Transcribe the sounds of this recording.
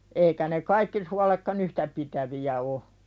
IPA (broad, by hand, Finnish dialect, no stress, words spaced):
eikæ ne kɑikːi suɑlekːɑn yhtæ pitæʋiæ o